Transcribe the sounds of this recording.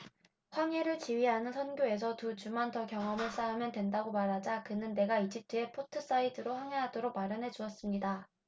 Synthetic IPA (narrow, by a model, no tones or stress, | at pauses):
ɸwaŋeɾɯɭt͡ɕiɥiɦanɯnsʰʌnɡjoe̞s̬ʰʌtud͡ʑumantʌkjʌŋʌmɯɭs͈aumjʌntwe̞ndaɡomaɾɦad͡ʑakɯnɯnːe̞ɡaid͡ʑip̚tʰɯe̞pʰotʰɯs͈aidʰɯɾoɸaŋeɦadoɾok̚maɾjʌnɦe̞d͡ʑuʌs͈ɯmɲida